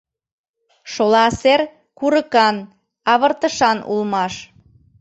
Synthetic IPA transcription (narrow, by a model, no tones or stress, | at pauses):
ʃolɑser | kuɾəkɑn | ɑβərt̪əʃɑnṵlmɑʃ